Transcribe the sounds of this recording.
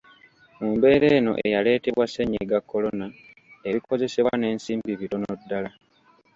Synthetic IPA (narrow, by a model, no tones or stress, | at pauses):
muːmbe̞ːɾe̞ːno̞̰ʔe̞jale̞ːte̞βwaseɲeɡakːo̞lo̞na | e̞βiko̞ze̞seβwane̞ːnsiːmbiβiɾo̞nodːala